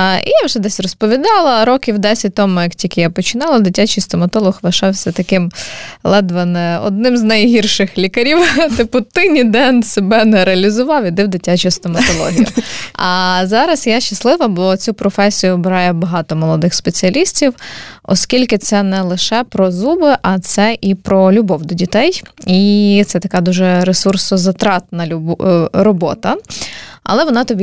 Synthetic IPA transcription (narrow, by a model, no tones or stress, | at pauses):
ʔḭjawʒɛd̪ɛsʲrɔspɔʋʲid̪ɑlˠɐɾɔkʲiwd̪ɛsʲit̪ɔmʊjɐktʲikʲɪjapɔt͡ʃɪnɑlˠɐd̪ɪtʲat͡ʃijst̪ɔmɐt̪ɔlˠɔxʋɐʃɑwsʲɐt̪ɐkɪmlˠɛd̪ʋɐnɛɔ̰d̪̚nɪmznɐjɦirʃɪxlʲikɐɾʲiwt̪ɪpʊt̪ɪnʲid̪ɛnsebɛnɛɾeɐlʲizʊʋɑwjʲid̪ɪwd̪ɪtʲat͡ʃʊjst̪ɔmɐt̪ɔlˠɔ̰ɦʲijʊ̰ɐzɑɾɐsjɑʃt͡ʃːɐslˠɪʋɐbˠɔt͡sʲupɾɔfɛsʲijʊbɪɾɑjɛbɐɦɑt̪ɔmɔlˠɔd̪ɪxspet͡sʲiɐlʲisʲtʲiwɔ̰skʲilʲkɪt̪sɛnɛlˠɪʃɛpɾɔzubɪʔɐt̪sɛʔipɾɔlʲʊbɔwd̪ɔdʲit̪ɛjit̪sɛt̪ɐkɛd̪uʒɛɾesursɔzɐt̪ɾɑt̪nɐlʲɾɔbɔ̰t̪ɐ | ɐ̰lˠɛʋɔnɑt̪ɔbʲi